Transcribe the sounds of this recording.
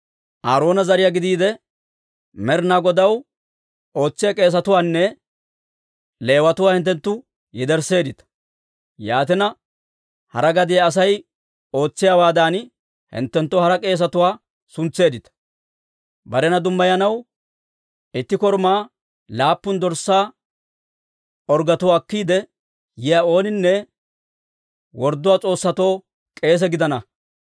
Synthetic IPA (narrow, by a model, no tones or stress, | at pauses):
ʔaːɾo̞ːnɐzɐɾɪjaɡɪd̪iːd̪ɛ | mɛɾnaɡɔd̪ɐw | o̞ːt͡sːɪjɐkʼe̞ːs̬ɐt̪ʊwaːnːɛ | le̞ːwɐt̪ʊwaːhɪnt̪ːɛnt̪ːʊ | jɛd̪ɛɾse̞ːd̪ɪt̪ɐ̥ | jaːt̪ɪnɐ | hɐ̰ɾɐɡɐd̪ɪjaːs̬ɐj | o̞ːt͡sːɪjaːwaːd̪aːn | hɪ̰nt̪ːɛnt̪ːɔhɐɾɐkʼe̞ːs̬ɐt̪ʊwaː | sʊnt͡sːe̞ːd̪ɪt̪ɐ̥ | bɐɾɛnɐd̪ʊmːɐjɐnɐw | ɪt̪ːɪkɔɾmaː | laːpːʊnd̪ɔɾsːaː | ɔɾɡɐt̪ʊwaːkːiːd̪ɛ | jɪjao̞ːnɪnːɛ | wɔɾd̪ːʊwaːt͡sʼo̞ːsːɐt̪o̞ː | kʼe̞ːs̬ɛɡɪd̪ɐnɐ